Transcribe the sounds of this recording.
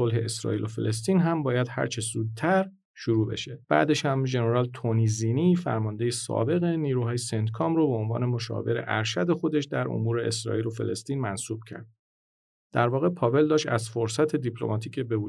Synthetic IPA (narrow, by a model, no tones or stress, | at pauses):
olɦe̞esɾɒ̰ːʔiːlofe̞̰le̞s̬t̪iːnɦæmbɒːjæd̪̥hæ̰ɾt͡ʃʰezuːd̪̚t̪ʰæɾ | ʃuɾuːbe̞̰ʃe̞b̥æ̰ːd̪eʃhæmʒe̞neɾɒːlt̪ʰoniziːnifæ̰ɾmɒːnd̪ejesɒ̰ːbe̞ɣeniːɾuːhɦɒːjesend̪kʰɒːmɾobeonvɒ̰ːne̞mo̞ʃɒ̰ːveɾe̞̰ʔæɾʃæd̪e̞xo̞d̪eʃd̪æɾo̰muːɾe̞esɾɒ̰iːlofe̞̰le̞st̪iːnmænsuːb̥̚cʰæ̰ɾd̪̚ | d̪̥æɾvɒːɣe̞pʰɒːve̞ld̪ɒːʃt̪æzfoɾsæt̪ʰe̞d̪ipʰlo̞̰mɒːt̪ʰiːcʰebe̞vuː